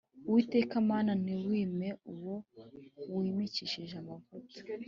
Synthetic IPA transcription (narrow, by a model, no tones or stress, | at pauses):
uwite̞ːkamaːnaniwwiːmeuwo | wimit͡ʃiʃiʒamavoto̥